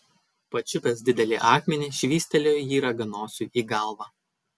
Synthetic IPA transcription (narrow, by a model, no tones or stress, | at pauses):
pɐt͡ʃʲʊpʲɛs̬d̪ʲɪd̪ʲɛlʲɪ̰ʔɑːkmʲɛnʲiːʃʲʋʲiːsʲt̪ʲɛlʲoːjjiːɾɐɡɐnoːsʲuːʔiːɡɐˑlˠʋɑː